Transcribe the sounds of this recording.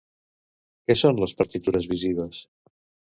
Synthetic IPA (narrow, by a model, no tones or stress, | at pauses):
kɛsonləspəɾt̪it̪uɾəzβiziβ̞əs